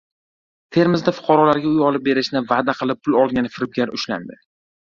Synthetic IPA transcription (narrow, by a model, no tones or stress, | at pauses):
t̪ʰe̞ɾmɪzd̪afʊ̥qʰɑɾɒlaɾɡʲaʊjɒlˠɪp̚be̞ɾɪʃnɪvad̪aqʰɨlˠɪp̚ʰːʊlˠɒlˠɡʲanɪfɪɾɪb̚ɡʲaɾʊʃla̰nd̪ɪ